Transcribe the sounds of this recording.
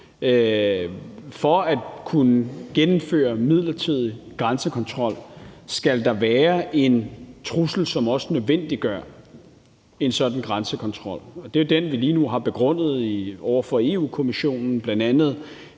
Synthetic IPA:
fɒ̽æd̥kʰunəɡ̥enm̩fø̰ːɐmið̞̰ˠlɐt͡sʰið̞̰ˠiɡ̥ʁansəkʰɒ̽nt͡sʰʁɒ̽l̰sɡ̥æld̥ɑ̈ʋæːɐʔe̝nt͡sʰʁusl̩sɒ̽mɒ̽sənøðˠʋen̰d̥iɡ̥ɶɐ | e̝nsɒ̽d̥n̩ɡ̥ʁansəkʰɒ̽nt͡sʰʁɒ̽l̰ɒ̽d̥e̝jod̥enʋiliːnuɦɑ̈b̥e̝ɡ̥ʁɔ̽n̰ð̞̩ˠiɒʊ̰ɐfɒ̽e̝ṵːkʰo̝miɕo̝̰ːnn̩b̥lænd̥ænð̞̩ˠ

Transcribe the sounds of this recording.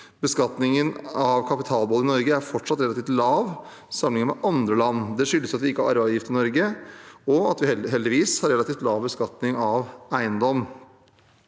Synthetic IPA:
bəskɑt̪nɪŋənɑʋkʰɑpɪt̪ʰɑːlbəɔlɪnɔɾɡəæɾfɔʈʂɑt̪ɾɛlɑt̪ift̪lɑːʋ | sɑməlɪŋəmɛ̰ʔɑnd̪ɾəlɑnːd̪ɛʂʏlːəsɑt̪ʋɪɪkːəhɑɾɑ̰ɾæɑʋjɪft̪ɪnɔɾɡəɔɑt̪ʋɪɛɦɛld̪ɪʋiːshɑɾɛlɑt̪iːft̪lɑːʋbəskɑt̪nɪŋɑʋæɪənd̪ɔm

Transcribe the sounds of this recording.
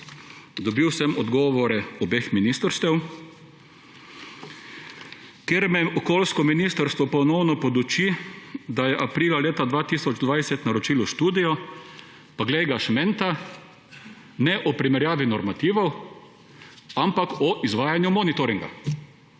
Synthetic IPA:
d̪ɔbiwsɛmɔd̪ɡɔːʋɔɾɛɔbexminist̪əɾst̪ɛw | keɾmɛɔkɔːlskɔminist̪əɾst̪ʋɔpɔnɔwnɔpɔd̪ut͡ʃid̪ajɛʔapɾiːlaleːt̪ad̪ʋaːt̪iːsɔd͡ʒd̪ʋajsɛt̪naɾɔt͡ʃilʊʃt̪uːd̪ijɔ | paɡlɛjɡaʃmɛnt̪a | nɛʔɔpɾimɛɾjaːʋinɔɾmat̪iːʋɔw | ampakɔʔizʋaːjanjumɔnit̪ɔɾiŋɡa̰

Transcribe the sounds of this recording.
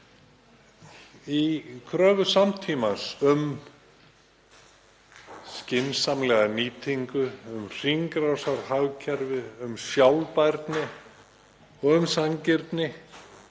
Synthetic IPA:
ikʰɾœːvʏsamt̪ʰiːmasʏm | scɪnsamlɛɣaniːt̪ʰiŋkʏʏmr̥iŋkɾawsaɾhawcʰɛɾvɪʏmsjawlpajɾt̪nɪ | ɔɣʏmsaŋcɪɾt̪nɪ

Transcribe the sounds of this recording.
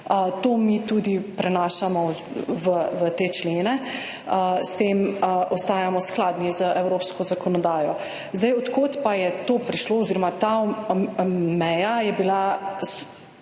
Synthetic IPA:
ət̪oːmit̪ud̪ipɾɛnaːʃamɔʋəʋət̪eːt͡ʃleːnɛ | əst̪eːmʔɔst̪aːjamɔsklaːd̪nizəʔɛwɾoːpskɔzakɔnɔd̪aːjɔ | zd̪ajɔt̪kot̪pajɛt̪opɾiʃloːɔziːɾɔmat̪a | mɛjajɛbilas

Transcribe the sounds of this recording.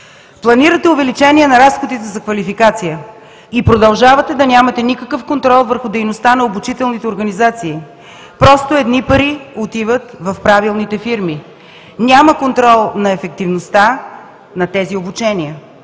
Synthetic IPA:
plˠɐniɾət̪ɛʊvɛlit͡ʃɛniɛnɐɾasxod̪it̪ɛzɐkvɐlifikat̪sijə | ipɾod̪ɐlˠʒavɐt̪ɛd̪ɐnʲamɐt̪ɛnikəkəfkont̪ɾɔlˠvəɾxʊd̪ɛjnost̪anɐobut͡ʃit̪ɛlˠnit̪ɛoɾɡɐnizat̪siː | pɾɔst̪oɛd̪nipɐɾiot̪ivət̪vɐfpɾavilˠnit̪ɛfiɾmi | nʲaməkont̪ɾɔlˠnɐɛfɛk̚t̪ivnost̪a | nɐt̪ɛziobut͡ʃɛniə

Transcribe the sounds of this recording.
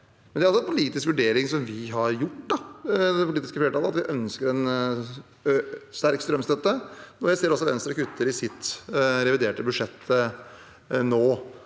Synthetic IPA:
mɛnd̪æɾlsɔɛnpʰʊliːt̪ɪskʋʉɖeːɾɪŋsɔmʋɪɦɑɾjʊʈːd̪ɑd̪ɛpʰʊliːt̪ɪskəfleːəʈɑːləɑt̪ʋɪʔœnskəɾɛn | st̪æɾkst̪ɾœmst̪ɛt̪ːəɔjæɪseːɾɔsɔʋɛ̰nst̪ɾəkʉt̪ʰːəɾɪsɪt̪ːɾɛʋɪd̪eːʈəbʉʂɛt̪ʰːə | noː

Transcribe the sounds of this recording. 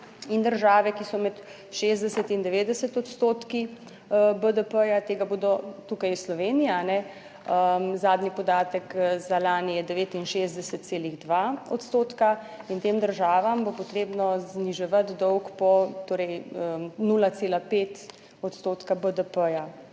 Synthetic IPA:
ind̪əɾʒaːʋɛkisɔmɛt̪ | ʃezd̪ɛsət̪ind̪ɛʋeːd̪ɛsət̪ɔt̪st̪oːt̪ki | əbəd̪əpəjat̪eːɡaboːd̪ɔt̪uːkajslɔʋeːnijaanɛ | əmzaːd̪nipɔd̪aːt̪əkzalaːniɛd̪ɛʋeːt̪inʃeːzd̪ɛsət̪seːliɣd̪ʋaɔt̪st̪oːt̪ka | int̪eːmd̪əɾʒaːʋambopɔt̪ɾeːbnɔzniʒɛʋat̪d̪ɔwkpɔt̪oːɾɛjənuːlat̪seːlapeːt̪ | ɔt̪st̪oːt̪kabəd̪əpəja

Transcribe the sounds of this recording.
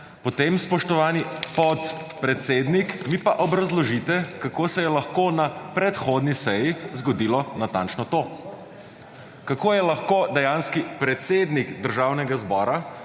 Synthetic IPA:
pɔt̪emspɔʃt̪ɔʋaːnipɔt̪pɾɛt̪seːd̪nikmipaʔɔbɾazlɔʒit̪ɛkakoːsɛjɛlaxkoːnapɾɛt̪xoːd̪nisɛjizɡɔd̪iːlɔnat̪ant͡ʃnɔt̪oː | kakoːjɛlaxkoːd̪ɛjanskipɾɛt̪seːd̪niɡd̪əɾʒaːwnɛɡazbɔːɾa

